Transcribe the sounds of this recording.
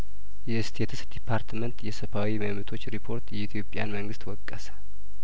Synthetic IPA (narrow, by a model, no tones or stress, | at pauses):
jɛɨst̪ʰet̪ʰɨsd̪ipʰːaɾt̪ʰmənt̪jɛsəbawiməmɨt̪ʰo̞t͡ʃːɾipʰo̞ɾt̪jɛit̪ʰjo̞pʼːja̰nməŋɡɨst̪wɔkʼːəsə̥